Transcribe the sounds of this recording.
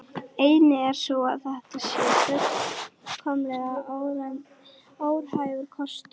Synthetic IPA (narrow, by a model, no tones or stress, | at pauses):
eːjnɪɛɾ̥sɔwa̰ðθɛht̪asjɛːt̪œ | kʰɔmlɛɣaowɾa | oːwɾ̥haːjvʏɾkʰɔst̪ʏ